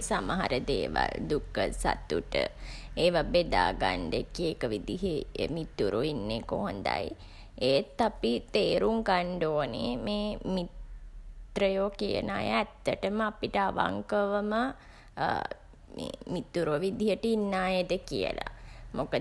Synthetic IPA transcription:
samaɦa̰ɾəd̪eːʋa̰ld̪ukːəsa̰t̪uʈə̰eːʋabed̪aːɡaɳɖekiekəʋid̪iɦemit̪ːuɾʔoinːekoɦond̪a̰j | et̪ːapit̪eːɾuŋkaɳɖoːnemeːmit̪ | ɾəjoːkijə̰naːjəæt̪ːəʈəməapiʈəaʋa̰ŋkəʋəmə | memit̪ːuɾoʋid̪iɦəʈəinːaːjed̪əkiə̰la̰mokə

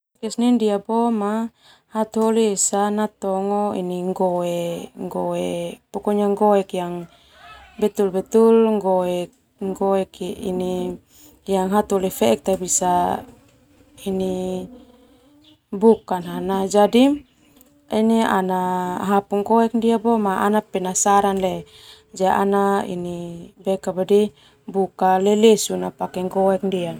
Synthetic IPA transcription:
kɛsnindiapɔma | hat̪oliːsanat̪ɔŋɔḭniŋɡɔɛŋɡɔɛpɔkɔɲaŋɡɔɛkjaŋ | bɛt̪ulbɛt̪ulŋɡɔɛk | ŋɡɔɛkḭni | jaŋɦat̪olifɛɛk̚t̪abisa | ini | bukanɦanad͡ʒadim | inia̰naɦapuŋɡɔɛk̚ndiabɔmaʔanapɛnasaɾanlɛ | d͡ʒaʔa̰naḭnibɛkabadi | bukalɛlesunapakɛŋɡɔɛk̚ndia

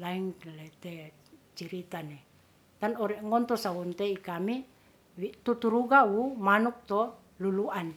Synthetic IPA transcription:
laiŋlet̪ɛ | t͡ʃiɾit̪anɛ | t̪anɔɾɛʔŋɔnt̪ɔsawunt̪eikami | wit̪ut̪uɾuɡawumanuk̚t̪ɔ | luluʔan

